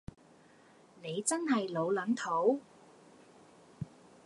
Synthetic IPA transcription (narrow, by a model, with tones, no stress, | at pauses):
ne˨˧jt͡sɐ˥nɦɐ˨jlo˨˧wlɐ˨˥nt̪ʰo˨˥w